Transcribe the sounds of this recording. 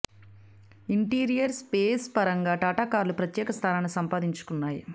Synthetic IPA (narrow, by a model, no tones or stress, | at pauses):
iɳʈiːɾijɐɾspeːspɐɾɐŋɡaːʈaːʈaːkaːɾlupɾɐt̪jɛːkɐst̪ʰaːnaːnisɐmpaːd̪iɲt͡ʃu̥kunːaːji